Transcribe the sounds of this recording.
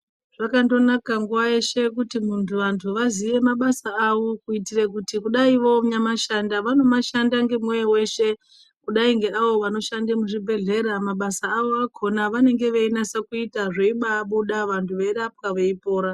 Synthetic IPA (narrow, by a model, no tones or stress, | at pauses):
ʐ̥akando̞nakaŋɡuwaje̞ʃe̞kutimuntʰuʋantʰuʋaziʋe̞maɓasaaʋo̞kuitirek̬utikuɗaiʋo̞ɲamaʃandaʋano̞maʃandaŋɡe̞mwejewe̞ʃe̞ | kuɗaiŋɡe̞ʔaʋo̞ʋano̞ʃandemuʐibʱe̞ɮe̞ɾamaɓasaːʋo̞akʰo̞naʋane̞ŋɡe̞ʋeinasakuitaʐeiɓaːɓuɗaʋantʰuʋeɾap̚kaʋeipo̞ːɾa